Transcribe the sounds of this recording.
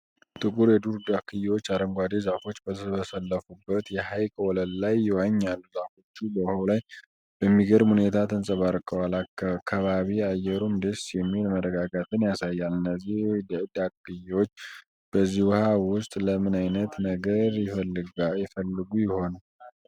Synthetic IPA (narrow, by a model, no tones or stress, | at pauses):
t̪ʼɨkʼuɾjɛd̪uɾd̪akʰːɨjːwo̞t͡ʃːaɾəŋɡʷad̪ezafo̞t͡ʃːbət̪ʰəβəsəlːəfubːət̪jɛhajkʼəwɔləlːajːɛwaɲːalːuzafo̞t͡ʃːubəwhawlaj | b̥əmːiɡəɾmhune̞t̪ʰat̪ʰənsʼəβaɾkʼəwalakːakʰːaβaβiajɛɾumd̪esjɛmːilməɾəɡaɡat̪ɨnjasajːalɨnːəzːihjd̪d̪akːɨjwo̞t͡ʃː | b̥əzːihwhawʊst̪ʼləmɨnajnət̪nəɡəɾɛəɨɡajɛfəlːɨɡujɪho̞n